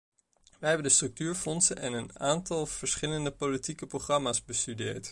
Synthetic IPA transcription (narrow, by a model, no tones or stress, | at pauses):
ʋəɦɛbəndəstrɵk̚tyːɹfɔnsənɛnənaːntɑlˠv̥əɹsχɪləndəpolitikəproχrɑmaːsbəstydɪːɹt